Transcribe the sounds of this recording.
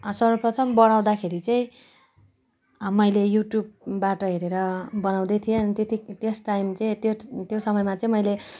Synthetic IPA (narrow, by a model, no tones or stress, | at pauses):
sʌɾʌprʌt̪ʰʌmbʌɽ̃aw̃d̪akʰeɾit͡saĩ | mʌjlejuʈjub̚ːaʈʌɦeɾeɾʌbʌnaw̃d̪ʌjt̪ʰijent̪et̪it̪esʈːajmt͡sʌĩt̪jot̪josʌmʌjmat͡sʌĩmʌjle